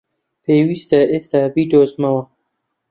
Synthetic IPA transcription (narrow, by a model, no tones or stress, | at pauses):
pʰeːwist̪ɐʔeːst̪aːbid̪oːzmɐwɐ